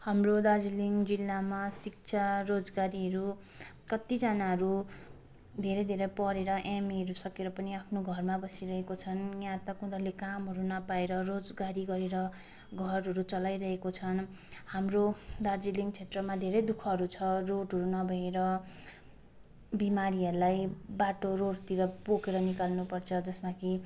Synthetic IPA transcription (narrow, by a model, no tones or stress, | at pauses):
hamrod̪ard͡ziliŋɡd͡zilːamasik̚t͡sʰarod͡zɡaɾiɦʌɾu | kʌt̪id͡zʌnaɦʌɾu | d̪ʱeɾʌjd̪ʱeɾʌpʌɾeɾʌʔamiʌɾusʌkeɾʌpʌniapʰnoɡʱʌrmabʌsiɾʌɦekot͡sʰʌnjãt̪ʌkũd̪ʌlekamɦʌɾunʌpaeɾʌrod͡zɡaɾiɡʌɾeɾʌ | ɡʱʌɾɦʌɾut͡sʌlajɾʌɦekot͡sʰʌn | hamrod̪ard͡ziliŋɡt͡sʰet̪rʌmad̪ʱeɾʌjd̪ukʰʌɦʌɾut͡sʰʌroʈɦʌɾunʌbʱʌeɾʌ | bimaɾiʌɾulajbaʈoɾoɽt̪iɾʌpokeɾʌnikalnupʌrt͡sʰʌd͡zʌsmaki